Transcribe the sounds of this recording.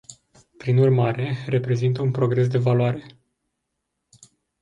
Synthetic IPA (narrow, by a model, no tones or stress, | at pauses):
pɾinurmaɾe̞re̞pɾe̞zint̪əunpɾo̞ɡɾe̞s̬d̪e̞valoaɾe̞